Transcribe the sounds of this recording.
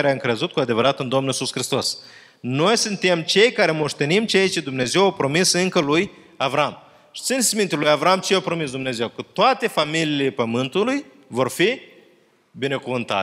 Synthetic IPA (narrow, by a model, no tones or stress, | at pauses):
aɾeaɨŋkɾe̞zut̪̚kuad̪e̞vəɾat̪ɨnd̪o̞mnulisusxɾist̪o̞s | no̞jsɨnt̪e̞mt͡ʃe̞jkaɾe̞mo̞ʃt̪e̞nimt͡ʃe̞jt͡ʃe̞d̪umne̞ze̞wawpɾo̞misɨŋkəluj | avɾam | ʃi̥t̪sinsmint̪elujavɾamt͡ʃejawpɾo̞mis̬d̪umne̞ze̞wkət̪oat̪e̞familiːle̞pəmɨnt̪uluj | vo̞rfi | bine̞kuvɨnt̪a̰